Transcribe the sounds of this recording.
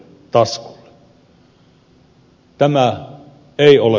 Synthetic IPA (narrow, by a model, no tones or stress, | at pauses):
t̪ɑsku̥lːe̥ | t̪æmæ | eˑiole